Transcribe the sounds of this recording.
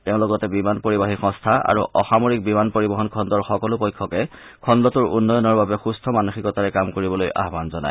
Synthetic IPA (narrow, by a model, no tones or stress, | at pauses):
tɛʊ̃lʊɡɔtɛbimanpoɹibaɦixɔ̃stʰaa̰ɹuʔɔxamoɹik̚bimanpoɹibɔɦɔnkʰɔndɔɹxɔkɔlʊpojkʰːɔkɛ | kʰɔndɔtʊɹṵnːɔjɔnɔɹbabɛxustʰɔmanuxikɔtaɹɛkamkoɹibɔlojʔa̰ɦbanzɔna̰j